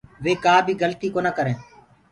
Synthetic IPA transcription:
ʋeːkaːbʱiːɡəlt̪iːkoːnaːkəɾẽː

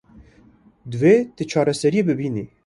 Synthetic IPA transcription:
d̪veːt̪ɨt͡ʃʰɑːɾɛsɛɾijebɨbiːni

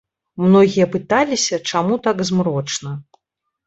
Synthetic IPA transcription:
mnɔɣʲijɐpɨt̪alʲisʲɐt͡ʂamut̪aɡzmɾɔt͡ʂnɐ

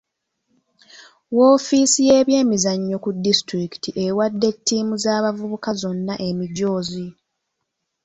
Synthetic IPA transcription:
woːfisije̞ːβje̞ːmizaɲːo̞kudistɾiki̥tʰiʔe̞wadːe̞tːiːmuzaːβavuβukazo̞nːaʔemiɟo̞ːzi

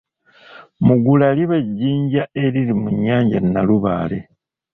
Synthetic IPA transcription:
muɡulaliβeɟːiːɲɟae̞ɾiɾimuɲːaːɲɟannaluβaːle

